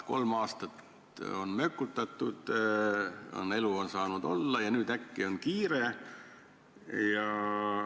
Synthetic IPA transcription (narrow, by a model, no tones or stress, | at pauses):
ko̞lmɑːst̪ɑt̪ | o̞nmø̞kːˑut̪ːˑɑt̪ːˑud̪̥ | o̰ne̞luo̞nsɑːnud̪̥o̞̰lːɑjɑnyːd̪ækːio̞nkiːɾe | jɑ